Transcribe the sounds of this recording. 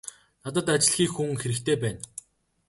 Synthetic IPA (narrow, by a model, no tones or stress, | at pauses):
nat̪ə̆t̪at͡ɕɪ̆ɮ̆xiːkxuŋxeɾɘ̆kt̪ʰeːpæːn